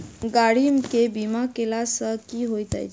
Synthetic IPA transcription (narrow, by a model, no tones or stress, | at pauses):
ɡaɽimkebimakelasəkiɦojt̪a̰j